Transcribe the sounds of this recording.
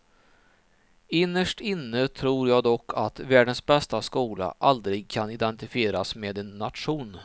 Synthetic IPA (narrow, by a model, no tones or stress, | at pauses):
ɪnːəʂʈɪnːət̪ʰɾuːɾjɑːɡd̪ɔkʰːat̪væːɖənsbɛst̪askuːla̰ʔald̪ɾɪɡ̚kʰanɪd̪ɛnt̪ɪfɪeːɾasmeːd̪ɛnːat̪ɧuːn